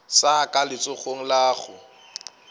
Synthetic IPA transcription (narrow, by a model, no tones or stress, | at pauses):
sakʼalɪt͡sʼʊχoŋ̩laːχʊ